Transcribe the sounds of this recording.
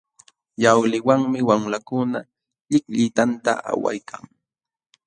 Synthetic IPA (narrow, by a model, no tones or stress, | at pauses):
jawlɪwaŋmɪwamlakʊna | ʎɪkʎɪt̪ant̪a̰ʔa̰wa̰jkʰaŋ